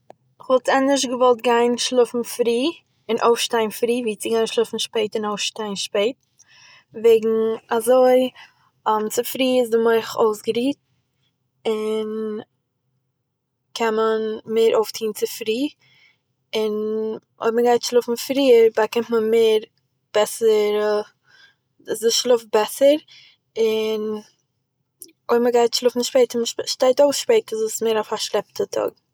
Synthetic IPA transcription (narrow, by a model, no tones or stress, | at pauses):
ɪχvɔlˠtɛnɪʃ̬ɡəvɔlˠt̚ɡaɪnʃlˠʊfn̩fɾiː | ɪnʔoʊfʃtaɪnfɾiːviːt͡sɪɡaɪnʃlˠʊfn̩ʃpeɪtɪnoʊfʃtaɪnʃpeɪt̚ | veɪɡŋ̩azoɪ | ɔmt͡sɪfɾiːɪsdɪmɔɪχo̰ʊsɡəɾiːt̚ | ɪn | kʰɛnmənmeːɾʔoʊftʰiːnt͡sɪfɾiː | ɪn | o̰ɪməɡaɪtʃlˠʊfn̩fɾiːəɾbakɪmtmənmeːɾ | b̥ɛsəɾ | ɪsdɪʃlˠʊf̚bɛsəɾ | ɪn | oɪməɡaɪtʃlˠʊfn̩ʃpeɪtəməʃʃtaɪtoʊsʃpeɪtazoːsmeːɾafaʃlˠɛp̚tʰətʰɔ̰ɡ̥